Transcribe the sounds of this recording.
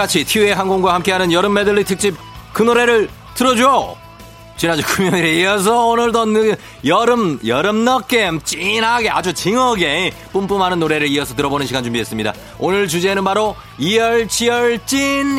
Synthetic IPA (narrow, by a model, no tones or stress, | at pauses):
at͡ɕʰitʰiueɦanɡoŋɡwahamk͈e̞ɦanɯnjʌɾɯmːedɯɭːitʰɯk̚t͡ɕ͈ip̚kɯnoɾe̞ɾɯɭ | tɯɾʌd͡ʑo | t͡ɕinad͡ʑokʰumjʌɲiɾeiʌs̬ʰʌonɯɭdʌn | jʌɾɯmjʌɾɯmnʌk͈emt͡ɕ͈inaɡe̞a̰d͡ʑut͡ɕiŋʌɡe̞p͈ump͈umhanɯnːoɾe̞ɾɯɭiʌsʰʌt̬ɯɾʌbonɯnɕʰiɡand͡ʑumbiɦes͈ɯmɲida̰ | onɯɭt͡ɕud͡ʑenɯnpaɾo | iʌɭt͡ɕʰiʌɭt͡ɕ͈in